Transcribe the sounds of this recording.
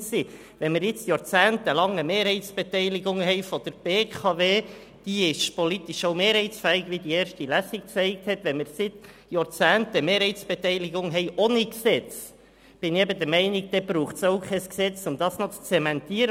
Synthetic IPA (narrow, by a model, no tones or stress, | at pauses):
si | ʋɛnmɪɾjɪt͡sjɑɾt͡sæːntəlɑŋːəmeːɾhɛɪsb̥et̪ɛɪliɡʊŋɦɛɪfɔd̥əɾb̥eːkʰɑveː | d̥iɪʃpolit̪iʃowmeːɾhɛɪtsfɛɪɡʋid̪ieːɾʃtilæsikkt͡sɛɪk̚t̪hɛt̪ʋɛnmɪɾsɪt̪ | jɑɾt͡sæːntəmeːɾhɛɪtsb̥et̪ɛɪliɡʊŋɦɛɪʔoniksɛt͡s | b̥ɪniɛbəd̪əɾmɛɪniɡ̚d̥̪ɛb̥ɾuːχsoʊkʰɛsksɛt͡sʊmd̥̪ɑːsnot͡st͡sɛmɛnt̪iːəɾə